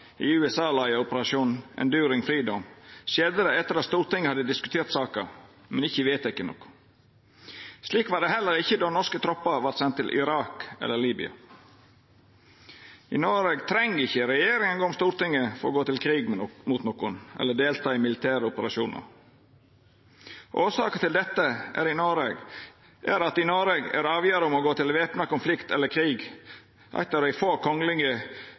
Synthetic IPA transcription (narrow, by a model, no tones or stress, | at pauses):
ɪʉːɛsɑːlɑɪjəɔpəɾɑʂuːnʔɛ̰ːnd̪ʉːɾɪŋfɾiːd̪ɔmʃeːd̪əɾəɛt̪ːəɾɑst̪uːɾt̪ɪŋːəhɑd̪ːɪd̪ɪskʉt̪ʰeːɾt̪sɑːkə | mɛnɪçːəʋeːt̪ɪkːənɔ̰kːʊ̥ | sliːkʋɑːɖɛhɛlːəɾɪçəd̪onɔskət̪ʰɾɔpːəʋɑt̪sɛnt̪ːɪlʔɪ̰ɾɑːkɛ̰lːəliːbɪ̰ɑ̰ | iːnoːɾeɡt̪ʰɾɛŋɪçːəɾɛjeːɾɪŋənɡoːɔmst̪uːɾt̪ɪŋːəfɔɾɔɡoːt̪ɪlkʰɾiːɡmut̪nɔkʊnʔɛ̰lːəɖ̪eːlt̪ʰɑːɪmɪlɪt̪ʰæːɾəʊpəɾɑʃuːnʔə̰ɾ | ʔoːsɑːkət̪ɪld̪ɛt̪ːəʔæ̰ɾɪnoːɾeːɡ | ʔæɾɑt̪ɪnoːɾeɡæ̰ɾɑːʋjøːɾəɔmɔɡoːt̪ɪlʋeːpnɑkʊnflɪkt̪ɛlːəkʰɾiːɡ | ʔæ̰ɪt̪ːəɾɔɪfoːkʰɔŋlɪŋə